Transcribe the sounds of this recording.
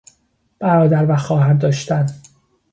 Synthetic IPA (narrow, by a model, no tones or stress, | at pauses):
b̥æɾɒːd̪æɾvæxɒːhænd̪ɒːʃt̪æn